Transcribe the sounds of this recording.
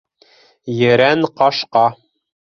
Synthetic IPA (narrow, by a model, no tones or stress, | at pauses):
jɘ̆ɾænqɑʃqɑ